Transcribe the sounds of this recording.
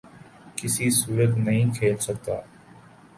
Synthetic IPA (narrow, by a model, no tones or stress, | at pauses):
kɪsiːsuːɾət̪nəɦĩːkʰeːlsəɡ̚t̪a̰ː